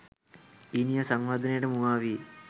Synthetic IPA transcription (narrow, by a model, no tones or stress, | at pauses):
inijɐsɐŋʋad̪ʱɐnejɽɐmuaːʋi